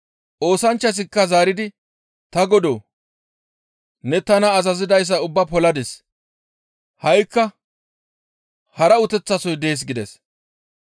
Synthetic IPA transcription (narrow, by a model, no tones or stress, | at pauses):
ʔo̞ːsɐnt͡ʃːɐs̬ɪkːɐzaːɾɪd̪ɪ | t̪ɐɡɔd̪oː | nɛt̪ɐnɐːzɐzɪd̪ɐjs̬ːɐʊbːɐpɔlɐd̪es | hɐjkːɐ | hɐɾɐʊt̪ɛt͡sːɐsɔjd̪e̞ːs̬ɡɪd̪ɛs